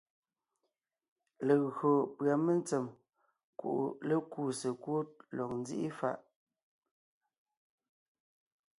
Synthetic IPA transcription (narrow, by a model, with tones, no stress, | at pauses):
le˨ɣɰo˨pɰa˨me˦nt͡sə˨m | kṵ˨ʔlə˦ku˦˨sə˨kwo˦t̚lɔ˨k̚n˦zḭ˦ʔḭ˦fa̰˦˨ʔ